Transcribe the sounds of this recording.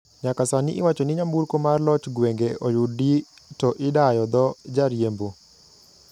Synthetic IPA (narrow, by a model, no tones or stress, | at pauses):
ɲakasaniʔɪwat͡ʃɔnɪɲamburkomarlɔt͡ʃɡweŋɡeʔojuditɔʔɪdajɔd̪ɔd͡ʒaɾjembo